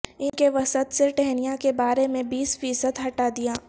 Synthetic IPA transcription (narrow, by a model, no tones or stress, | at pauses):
ɪnkeʋɐsət̪sɪɾʈɛɦnijãkebaːɾemẽbiːsfiːsəd̪ɦɐʈad̪ijaː